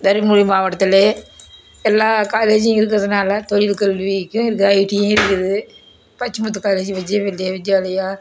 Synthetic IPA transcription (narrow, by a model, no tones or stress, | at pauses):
d̪ɐɾɪmuɽjimaːʋɐʈːɐt̪ːɪleː | ɛlːaːkaːleːd͡ʒɪ̃ɪɾɯk̬ːɯɾɐðɯnaːlɐt̪ɔɻɪlkɐlʋikːʊ̃ɪɾɯkːɯɐɪʈĩɪɾɯkːɯɾɐðɯ | pɐt͡ʃːɯmut̪̬ːɯkaːleːd͡ʒiʋɐd͡ʒeʋɛldjeʋɪd͡ʒjaːlɐjaː